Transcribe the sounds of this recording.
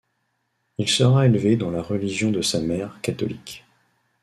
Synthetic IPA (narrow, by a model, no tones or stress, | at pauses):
ilsəʁaelved̪ɑ̃laʁəliʒjɔ̃d̪əsamɛʁkat̪ɔ̰lik